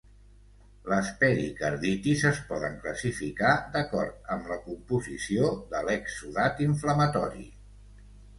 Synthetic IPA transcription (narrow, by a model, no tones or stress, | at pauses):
ləspɛɾikəɾðit̪izəspɔðə̰ŋkləsifikad̪əkɔɾt̪̚əmləkumpuzisioðəlɛksuðat̪iɱfləmət̪ɔɾḭ